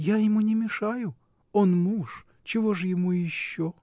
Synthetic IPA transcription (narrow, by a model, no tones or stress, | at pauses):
jajɪmunʲɪmʲɪʂajʊ | onmuʂ | t͡ɕɪvoʐɨjɪmujɪɕːo